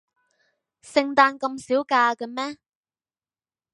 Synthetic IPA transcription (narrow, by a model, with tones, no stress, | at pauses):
sɪ˧ŋt̪aː˧nkɐ˧msiː˨˥wkaː˧kɐ˧mɛː˥